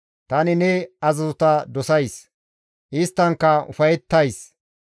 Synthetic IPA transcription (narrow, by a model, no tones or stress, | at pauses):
t̪ɐnɪnɛɐzɐzʊt̪ɐd̪ɔsɐjs | ʔɪst̪ːɐŋkːɐʊ̰fɐjɛt̪ːɐjs